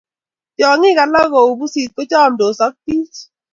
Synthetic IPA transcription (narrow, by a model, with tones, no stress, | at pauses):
tjɔ˨ŋɪ˦ka˨la˦ɣo˨u˨bu˦si˨t̚ko˦t͡ʃa˦˨m˨do˨sɔ˦k̚pi˦t͡ʃ